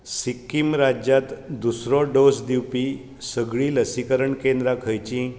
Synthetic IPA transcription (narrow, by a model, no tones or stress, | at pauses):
sikːimɾad͡ʑjat̪d̪usɾɔɖosd̪iwpi | səɡɭiːləsikəɾəɳkẽnd̪ɾakʰəjt͡ɕĩ